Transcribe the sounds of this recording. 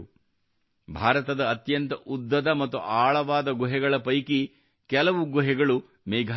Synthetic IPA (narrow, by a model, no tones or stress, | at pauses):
bʱaːɾɐt̪ɐd̪ɐːt̪jɐnt̪ɐʔud̪ːɐd̪ɐmɐt̪ːṵʔaːɭɐʋaːd̪ɐɡɔɦɛɡɐɭɐpɐjki | kɛlɐʋuɡuɦɛɡɐɭu | mɛːɡʱa